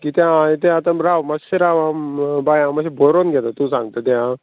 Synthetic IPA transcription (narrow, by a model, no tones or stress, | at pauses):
kiːt̪jãet̪̬ãːt̪ãɾaʋmaeɾaʋambajãmaɕibʱoɾonɡʱɛt̪at̪ũːsãŋɡt̪at̪jã